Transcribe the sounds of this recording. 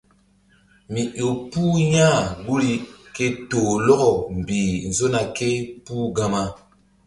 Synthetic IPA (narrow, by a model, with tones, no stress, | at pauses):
mi˨ʔo˨puː˦ɲã˦˨ɡu˦li˦ke˦to˨lɔ˦ɣɔ˨m˨biː˨n̩˨zo˦na˨ke˦puː˦ɡã˦ma˦